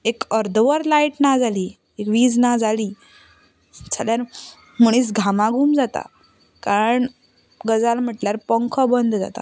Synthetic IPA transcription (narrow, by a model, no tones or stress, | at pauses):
ekəɾd̪ʋəɾlaiʈnad͡zʱaliː | ekʋiːd͡znad͡zʱaliː | d͡zʰaljaɾ | muɳ̃iːt͡sɡʱamaɡʱuːmd͡zat̪a̰ | kaɾəɳ | ɡəd͡zalm̤əʈljaɾpəŋkʰɔbənd̪ʱd͡za̰t̪a̰